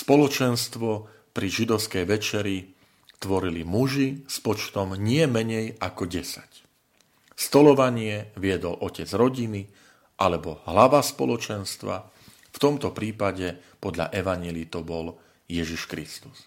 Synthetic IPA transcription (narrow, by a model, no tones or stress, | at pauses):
spɔlɔt͡ʃɛnst̪ʋɔ | pɾiʒid̪ɔʊskɛjʋɛt͡ʃɛɾi | t̪ʋɔɾilimuʒispɔt͡ʃt̪ɔmɲɪɛmɛɲɛjakɔɟɛsḁc | st̪ɔlɔʋaɲɪɛʋɪɛd̪ɔlʔɔcɛd͡zɾɔɟini | ʔalɛbɔɦlaʋaspɔ̰lɔt͡ʃɛnst̪ʋa̰ | ft̪ɔmt̪ɔpɾiːpaɟɛ | pɔd̪lʎa̰ʔɛʋaɲɪɛlit̪ɔbɔl | jɛʒiʃkɾist̪u̥s